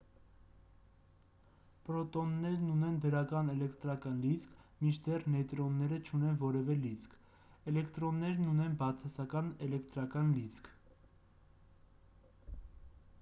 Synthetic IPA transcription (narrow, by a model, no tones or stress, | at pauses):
pɾɔt̪ɔnːɛɾnunɛnd̪əɾɑkɑnɛlɛkt̪ɾɑkɑnlit͡skʰmit͡ʃʰd̪ɛrnɛt̪ɾɔnːɛɾət͡ʃʰunɛnvɔɾɛvɛlit͡sʰkʰ | ɛlɛkt̪ɾɔnːɛɾnunɛnbɑt͡sʰɑsɑkɑnɛlɛkt̪ɾɑkɑnlit͡sʰkʰ